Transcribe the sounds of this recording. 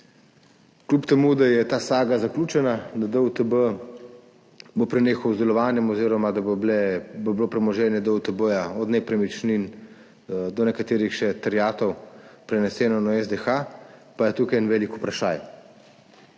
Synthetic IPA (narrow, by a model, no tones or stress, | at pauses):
klupt̪ɛmud̪ajɛt̪aːsaːɡazaklʲuːt͡ʃɛnad̪ad̪əut̪əbə | bopɾɛneːxɐwzd̪ɛlɔʋaːnjɛmɔziːɾɔmad̪alɛboblopɾɛmɔʒɛːnjɛd̪əut̪əbəjaɔd̪nɛpɾɛmit͡ʃnin | d̪ɔnɛkat̪eːɾixʃɛt̪aɾjaːt̪ɔwpɾɛnɛsɛːnɔnaɛzd̪ɛxapajɛt̪uːkajnʋɛːliku̥pɾaʃa̰ːj